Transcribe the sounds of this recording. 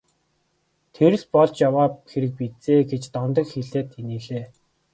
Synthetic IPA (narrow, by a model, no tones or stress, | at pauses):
t̪ʰeɾɘ̆ɮpɔɮt͡ɕjawaːxeɾɘ̆k̚pit͡seːɡet͡ɕt̪ɔnt̪ɞ̆kxiɮeːt̪ʰeniːɮeː